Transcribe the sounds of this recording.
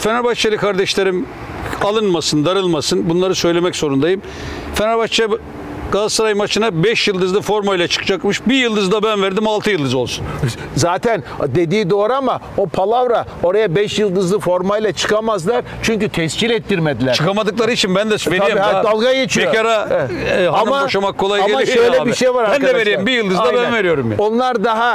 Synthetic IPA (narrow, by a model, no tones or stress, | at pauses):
fenaɾbaʃt͡ʃʰalʲˠɯkʰaɾd̪ɛʃlʲeɾim | alˠɯnmasɯnd̪aɾɯlˠmasɯnbunlˠaɾɯsø̞jlʲe̞mɛczo̞ɾund̪ajɯm | fenaɾbat͡ʃʰa | ɡ̥azsaɾajmat͡ʃʰɯnabɛʃjɯlˠd̪ɯzlˠɯfo̞ɾmajlʲat͡ʃʰɯ̥kɯd͡ʒakmɯʃbijɯlˠd̪ɯzd̪abænvæɾd̪imalˠt̪ɯjɯlˠd̪ɯzo̞lˠsun | zaːt̪ʰænd̪ed̪iːd̪oːɾama | opʰalˠavɾa | o̞ɾajabɛʃjɯlˠd̪ɯzlˠɯfo̞ɾmajlʲˠat͡ʃʰɯ̥kʰamazlˠaɾ | t͡ʃʰyɲcyt̪ʰɛscilɛt̪ːiɾmed̪ilʲɾt͡ʃʰɯkamad̪ɯklˠaɾɯit͡ʃʰinbænd̪ɛveɾaad̪alˠɡajet͡ʃʰieokaɾaɛɦamaoʃamakʰːolˠajaɛlʲaiʃøjlʲɛbiʃejvaɾabɾænd̪ɛveɾijmbijɯlˠd̪ɯzd̪abænve̞ɾijo̞ɾumjao̞nlˠaɾd̪aɦa